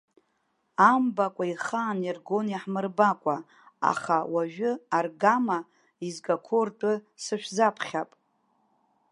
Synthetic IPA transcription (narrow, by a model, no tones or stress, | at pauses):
ambakʷʼaiχaːnirɡo̞njaħmɨrbakʷʼa | a̰χawaʒᶣʊarɡama | izɡakʷʰortʼɨsɨʃᶣzapʰχʲapʼ